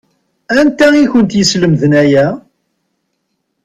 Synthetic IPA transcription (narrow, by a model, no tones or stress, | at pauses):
ænt̪æiçʊnt̪jəsləmðənæjæ